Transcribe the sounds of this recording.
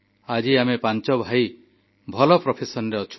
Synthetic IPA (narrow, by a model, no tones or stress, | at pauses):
ad͡ʒiamepant͡ʃɔbʱaj | bʱɔlɔpɾɔpʰesɔnɾeɔt͡ʃʰu̥